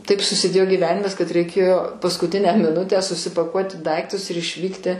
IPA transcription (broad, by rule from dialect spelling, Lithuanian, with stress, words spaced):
ˈtɐɪp sʊsʲɪˈdʲeːjoː ɡʲiːˈʋʲæːnʲɪmɐs kɐt rʲɛɪˈkʲeːjoː pɐskʊˈtʲɪnʲæː mʲɪˈnʊtʲæː sʊsʲɪpɐˈkuɔtʲɪ ˈdɐɪktʊs ɪr ɪʃʲˈʋʲiːktʲɪ